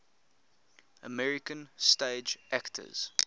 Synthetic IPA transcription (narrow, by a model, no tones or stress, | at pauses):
ə̰mɛɹɪkə̃nsteːd͡ʒæktʰə̰z̥